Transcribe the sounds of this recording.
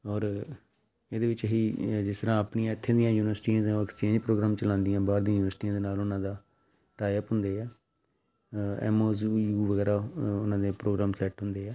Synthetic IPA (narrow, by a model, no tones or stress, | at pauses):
ɔːɾ | eːd̪eːʋɪt͡ʃɦiːd͡ʒɪst̪əɾãːəpnijãːɪt̪ʰːẽːd̪ɪjãːjuːnɪʋəɾsʈiːãːd̪ɛkst͡ʃẽːɲd͡ʒpɾoːɡɾaːmt͡ʃəlãːnd̪ijãːbaːɾd̪ĩãjuːʋəɾsʈiːãːd̪eːnaːlʊnãːd̪aː | ʈaːɪəpɦʊ̃nd̪eːɛː | ɛ̰ːmoːzjuːʋəɡɛːɾaːʊnãːd̪eːpɾoːɡɾãːmsɛːʈɦʊ̃nd̪eːɛː